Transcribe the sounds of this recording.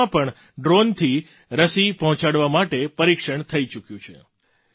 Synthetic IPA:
ãpəɳ | ɖɾont̪ʰi | ɾəsipəɦɔ̃t͡ʃaɽʋamaʈepəɾikʃəɳt̪ʰəit͡ʃukjũt͡ʃʰe

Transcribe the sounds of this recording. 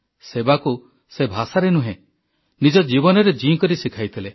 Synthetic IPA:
sebaku | sebʱasaɾenuɦẽ | nid͡ʒɔd͡ʒibɔnɔɾed͡ʒiŋkɔɾisikʰajt̪ʰile

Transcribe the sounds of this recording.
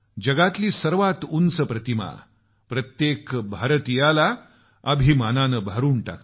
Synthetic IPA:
d͡ʑəɡat̪liːsəɾʋat̪unsəpɾət̪ima̰ | pɾət̪jekbʱaɾət̪ijala | əbʱimananəbʱaɾuːɳʈa̰k

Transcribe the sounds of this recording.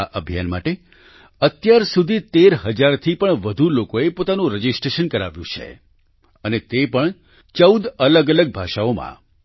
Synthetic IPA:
aʔəbʱja̰nma̰ʈe | ət̪jaɾsud̪ʱit̪eɾɦəd͡ʒaɾt̪ʰipəɳʋəd̪ʱulokoepot̪anũɾəd͡ʒisʈɾeʃənkəɾa̰ʋjṵ̃t͡ʃʰḛ | ənet̪epəɳ | t͡ʃəud̪ələɡələɡ̚bʱaʃaomã̰

